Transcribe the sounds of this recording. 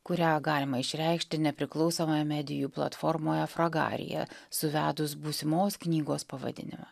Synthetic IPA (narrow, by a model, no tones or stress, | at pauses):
kʊɾʲæːɡɑːlʲɪmɐɪʃʲɾʲɛˑɪkʃʲt̪ʲɪnʲɛpʲɾʲɪklˠɒʊsoːmɐjɛmʲæd̪ʲɪjuːplˠɐ̰t̪fɔɾmoːjɛfɾɐɡɑ̰ːɾʲɪ̰jɛ̰sʊʋʲæːd̪ʊs̬bʊsʲɪmoːsknʲiːɡoːspɐʋɐ̰d̪ʲɪ̰nʲɪ̰mɑ̰